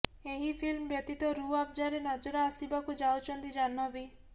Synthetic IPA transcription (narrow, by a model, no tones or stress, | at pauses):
eɦipʰilmbjɔt̪it̪ɔɾuap̚d͡ʒaɾenɔd͡ʒɔɾaːsibakud͡ʒawt͡ʃʰɔnt̪id͡ʒanːɔbi